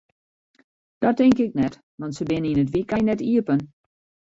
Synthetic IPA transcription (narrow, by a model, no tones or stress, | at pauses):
d̥ɔtɪŋkɪknɛt | ʋɑntsəbɪnəinət̬ʋikajnɛtiəpən